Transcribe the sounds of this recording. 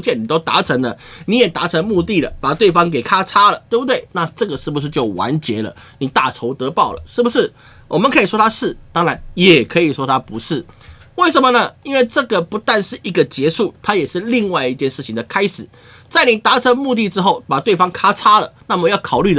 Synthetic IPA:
t͡ɕjɛ˥˩ni˨t̪o˥ʊt̪a̰˧˥ʈ͡ʂʰə˧˥ŋlə˧ni˨˥jɛ˨˩t̪a̰˧˥ʈ͡ʂʰə˧˥ŋmu˥˧t̪i˥˩lə̰˩pa˨˩t̪we˥˩ɪfɑ˥ŋk̬e˨˩ɪkʰa˥ʈ͡ʂʰa˥lə˨t̪we˥˩ɪbu˧˩t̪we˥˩ɪna˥˧ʈ͡ʂɤ˥˩ɡə˩ʂɻ̩˥˩bu˩ʂɻ̩˥˧t͡ɕjo˥˩ʊwa̰˧˥nt͡ɕjɛ˧˥lə̰˧ | ni˨˩t̪a̰˥˩ʈ͡ʂʰo˧˥ʊt̪ɤ˧˥pɑ˥˩ʊlə̰˩ʂɻ̩˥˩bu˩ʂɻ̩˥˩ | wʔɔ˨˩mə˦nkʰə˧˥i˨˩ʂwɔ˥t̪ʰa˥ʂɻ̩˥˩t̪ɑ˥ŋɻa˧˦njɛ˨˩kʰɤ˧˥i˨˩ʂwɔ˥t̪ʰa˥pu˧˥ʂɻ̩˥˩we˥˩ɪʂə˧nmə˧nə˧i˥nwe˥˧ɪʈ͡ʂɤ˥˩ɡə˩pu˧˥t̪a˥˧nʂɻ̩˥˩i˧˥ɡə˨t͡ɕjɛ˧˥ʂu˥˩t̪ʰa˥jɛ˨˩ʂɻ̩˥˧li˥˧ŋwa˥˧ɪi˥˧t͡ɕjɛ˥˧nʂɻ̩ʰ˥˩i˨ŋd̪ə˩kʰa˥ɪʂɻ̩˨˩˦ | t͡sa˥˩ɪni˨˩t̪a˧˥ʈ͡ʂʰə˧˥ŋmu˥˧t̪i˥˧ʈ͡ʂɻ̩˥xo˥˩ʊpa˨˩t̪we˥˩ɪfɑ˥ŋkʰa˥ʈ͡ʂʰa˥lə˨na˥˩˨mə˧˦jɑ˥˩ʊkʰɑ˨˩ʊly˥˩˨

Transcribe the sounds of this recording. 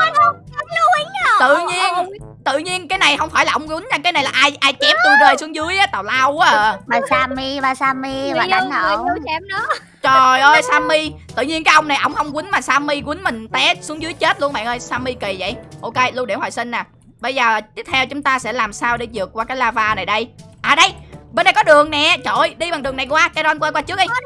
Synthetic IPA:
t̪ɨ̰˧˨ɲi˧əənt̪ɨ̰˧˨ɲi˧ənkaː˨˦jna˨˩jhə˧wŋ͡mfaː˧˩jlaː˨˩ʔə˧wŋ͡mkwi˨˦nɲaː˧˩kaː˨˦jna˨˩jlaː˨˩ʔaː˧jʔaː˧jt͡ɕɛ˦˥p̚t̪u˧ze˧jsu˨˦əŋzɨ˨˦əjʔaː˨˦t̪a˨˩wlaː˧wʔʔəː˨˩a˨˩saː˧mi˧vaː˧˩saː˧mi˧vaː˨˩a˨˧˦ŋə˧˨˧t͡ɕɛ˧˩m̚nɔ˨˦ | t͡ɕɔ˨˩jʔəː˧jsaː˧mi˧t̪ɨ̰˧˨ɲi˧ənkaː˨˦jʔə˧wŋ͡mna˨˩jʔə̰˧˩wŋ͡mhə˧wŋ͡mkwï˨˦n̟maː˨˩saː˧mi˧kwi˨˦nmï˨˩ŋ̟t̪ɛ˨˦˥su˨˦əŋzɨ˨˦jt͡ɕe˦˥t̚lu˧ənɓa̰ː˧˨nʔəː˧jsaː˧mːi˧ki˨˩və̰˧˨jʔo˧ke˧lu˧ɗe˧˩hɔ̰˨˩jsï˧nnaː˨˩ | ɓə˧jzəː˨˩a˨˩t̪i˦˥ət̪̚ʰɛ˧wt͡ɕʊ˨˦ŋ͡mt̪aː˧sɛ̰˧˥laː˨˩msaː˧wɗe˧˩˦zɨ˨˩əkwaː˧kaː˨˦jlaː˧vaː˧na˨˩jɗə˧jʔaː˨˩ɗə˧jɓe˧nɗə˧˩jkɔ˨˦ɗɨ˨˩əŋnɛ˨˩t͡ɕo˧˨˩jɗi˧ɓaː˨˩ŋɗɨ˨˩əŋna˨˩jkwaː˧kaː˨˦jzɔː˧nkwa˧jkwaː˧t͡ɕɨ˦˥ək̚ʔ

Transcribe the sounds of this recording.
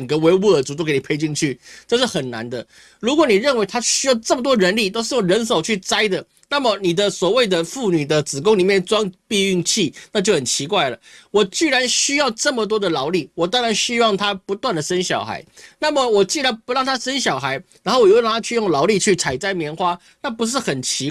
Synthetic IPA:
ə˨˩ŋɡə˧˦we˧˥ɪwu˥˩ə˨˩t͡su˧˥t̪o˥ʊke˧˥ɪni˨˩pʰe˧˥ɪt͡ɕi˥˧ŋnt͡ɕʰy˥˩ʈ͡ʂɤ˥˧ʂɻ̩˥˩xə˨˩nna̰˧˦nd̪ə˧˨ | ɻu˧˥kwɔ˨˩ni˨˩ɻə˥˩˨nwe˧˥ɪt̪ʰa˥ɕy˥jɑ˥˩ʊʈ͡ʂə˥˩mə˨˩t̪wɔ˥˧ɻə˧˥nli˥˨t̪o˥ʊʂ̬̩˥˩jo˨˩ŋɻə˧˥ns̬o˨˩ʊt͡ɕʰy˥˩t͡sa˥ɪd̪ə˨ | na˥˨mə˨ni˨˩d̪ə˦swɔ˨˩we˥˩ɪd̪ə˨fu˥˩ny˨˩d̪ə˦t͡sɹ̩˨˩kʊ˥ŋli˨˩mjɛ˥˩nt͡swɑ˥ŋpi˥˧y˥˧ŋt͡ɕʰi˥˩na˥˧t͡ɕjo˥˩ʊxə˨˩nt͡ɕʰi˧˥kwa˥˩ɪlə˩wɔ˨˩t͡ɕy˥˩ɻa˧˦˥nɕy˥jɑ˥˧ʊʈ͡ʂə˥˩mə˨t̪̬wɔ˥d̪ə˨lɑ˧˥ʊli˥˩wɔ˨˩t̪ɑ˥ŋɻa˧˦nɕy˥wɑ˥˩ŋt̪ʰa˥pu˧˥t̪wa˥˩nd̪ə˨ʂə˦nɕjɑ˨˩ʊxa̰˧˥ɪna˥˩mə˨wɔ˨˩t͡ɕi˥˩ɻa˧˦˥npu˧˦˥ɻɑ˥˩ŋt̪ʰa˥ʂə˥nɕjɑ˨˩ʊxa˧˥ɪɻa˧˥nxo˥˩wj̪ʰa˥t͡ɕʰy˥˧jʊ˥˩ŋlɑ˧˥ʊli˥˧t͡ɕʰy˥˩t͡sʰa˨˩ɪt͡sa˥ɪmjɛ˧˥nxwa˥ | na˥˩pu˧˦˥ʂ̬ɻ̩˥˩xə˨˩nt͡ɕʰi˧˥

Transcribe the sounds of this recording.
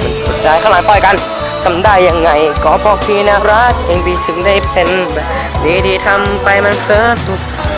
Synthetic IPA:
ma˧˩nsʰo˨˦˩t̚t͡ɕaː˧jkʰa˧˩˨aː˨˦t̪ɔː˧˩jka˧n | t͡ɕʰa˧mdaː˥˩jːa˧ŋːa˧˩jkɔː˨˦bɔː˧˩k̚pʰiː˧na˦˥ɾa˦˥t̪̚ʔe˧ŋbiː˧˩t̪ʰɯ˨˦ŋdaː˥˩jpʰe˧nbɛː˨˩p | diː˧diː˧t̪ʰa˧mpa˧jma˧npʰɤː˧˥t̪u˧˩

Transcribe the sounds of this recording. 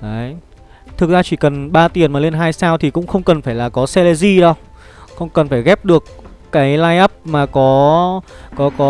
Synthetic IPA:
ʔəː˨˦j | t̪ʰɨ˨˩k̚zaː˧t͡ɕi˧˩kə˨˩nɓaː˧t̪i˨˩ənmaː˨˩le˧nɦaː˧jsaː˧wt̪ʰi˨˩kʊ̰˧˥ŋ͡mxə˧wŋ͡mkə˨˩nfaː˧˩jlaː˨˩kɔ˨˦sɛ˧le˧zi˧ɗə˧w | xə˧wŋ͡mkə˨˩nfaː˧˩jɣɛ˦˥p̚ɗɨ˨˩ək̚ːaː˨˦jlaː˧jʔa˦˥p̚maː˨˩kɔ˨˦ | kɔ˨˦kɔ˨˦

